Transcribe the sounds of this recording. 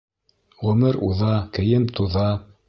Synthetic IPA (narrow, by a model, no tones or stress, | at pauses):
ʁɵ̆mɘɾuðɑkɘ̆jɘmt̪uðɑ